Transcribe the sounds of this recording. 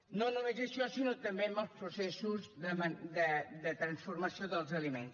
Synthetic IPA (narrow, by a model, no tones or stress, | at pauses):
nõnumezəʃɔsinot̪əmbembəlˠspɾusɛsuzðəmənd̪əd̪ət̪ɾənsfuɾməsioðəlˠzəlimḛns